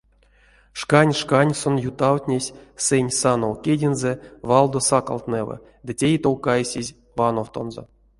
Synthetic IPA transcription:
ʂkanʲʂkanʲsonjut̪awt̪ʲnʲesʲsɨnʲsanowkʲedʲinzɛvɑlˠd̪osaka̰lˠt̪nɛvə̰ | d̪ɨtʲejt̪owkajsʲizʲ | vanowt̪o̞̰nzo̰

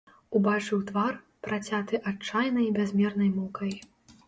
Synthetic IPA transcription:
ubat͡ʂɨwt̪var | pɾat͡sʲat̪ɨʔat͡ʂːajnɐjbʲazʲmʲɛrnɐjmɔkʰɐj

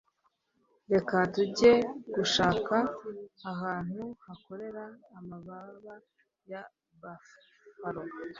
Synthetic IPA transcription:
ɾe̞katuɟe̞ɡ̥uʃaːkaː | ɦaːn̥huhako̞ɾe̞ɾaːmaβaβa | ja | ba | faɾo

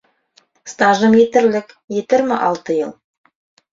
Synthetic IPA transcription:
st̪aʒəmet̪ɪ̆ɾlɪk | jet̪ɪɾmɪʔɑlˠt̪əjə̰lˠ

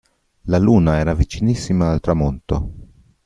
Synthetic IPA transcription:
laluːnaɛːɾavit͡ʃinisːimaːlt̪ɾamont̪o

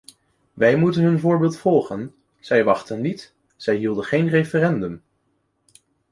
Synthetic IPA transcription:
ʋɛjmutənɦɵnvʊːɹbɪːlˠtfɔlˠχən | z̥ɛjʋɑχtənːit | z̥ɛjɦilˠdəχejnrejfərɛndɵm

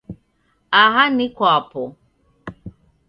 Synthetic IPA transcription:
aɦanikwapɔ

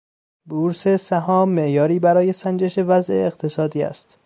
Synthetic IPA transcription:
buːɾsesæɦɒːmːe̞ʔjɒːɾiːbæɾɒːje̞sænd͡ʒeʃevæzʔḛːqt̪ʰe̞sɒːd̪iːæ̰st̪

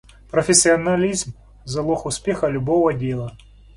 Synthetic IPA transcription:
pɾɔfʲɪsʲːɪɐnɐlʲizm | zɐlˠɔxʊspʲexɐlʲʊbɔvɐdʲelˠɐ

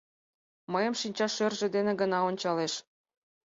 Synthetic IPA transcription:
məjə̆mʃinʲt͡ɕɑʃørʒĕd̪enĕɡənɑonʲt͡ɕɑleʃ

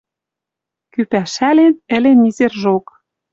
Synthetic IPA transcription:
kypæʃælenɘ̆lenizerʒok

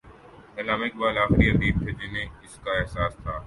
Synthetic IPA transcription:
ɛlaːmɪkbaːlaːxɪɾiɦɐd̪iːb̚t̪ʰed͡ʒɪnẽɪskaɛɦsaːst̪ʰaː

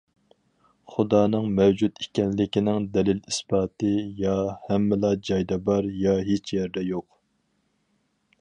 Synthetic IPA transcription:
χʊd̪ɑːnɨŋmɛwd͡ʒut̪ikʲɛnlɪkʲinɪŋd̪ɛlɪlisbɑːt̪ɨjɑhɛmːɪlˠɑd͡ʒɑjd̪ɑbɑɾjɑɦet͡ʃʰjɛɾd̪ɛjoq

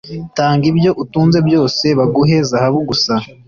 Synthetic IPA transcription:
taːŋɡibjo̞ʔutuːnze̞bjo̞ːse̞βaɡuɦe̞zahaβuɡusa

